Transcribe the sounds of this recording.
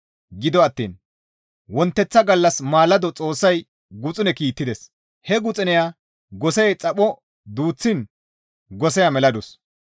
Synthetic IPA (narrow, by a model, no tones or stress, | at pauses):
ɡɪd̪ɔɐt̪ːḭːn | wɔnt̪ːɛt͡sːɐɡɐlːɐsmaːlɐd̪ɔt͡sʼo̞ːsːɐj | ɡʊt͡sʼɪnɛkiːt̪ːɪd̪ɛs | hɛɡʊt͡sʼɪnɛjaː | ɡɔsɛɛt͡sʼɐpʼɔ | d̪uːt͡sːɪn | ɡɔsɛjamɛlɐd̪ʊs